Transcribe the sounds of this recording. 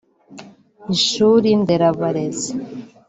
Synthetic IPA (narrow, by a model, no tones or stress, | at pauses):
iʃuɾind̪eɾaβaɾeze